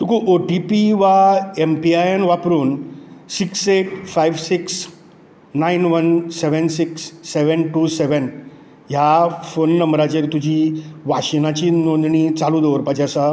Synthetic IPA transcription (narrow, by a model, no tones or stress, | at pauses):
t̪ukʰuʔoʈipiʋaempiajenʋapɾuːnsikseʈ̚fajʋsiks | nainʋənseʋənsiksːeʋənʈuːseʋən | jafonːəmbɾat͡ɕeɾt̪ud͡ʑiːʋaɕinat͡ɕiːnond̪ɳit͡saluːd̪eʋəɾpad͡ʑasa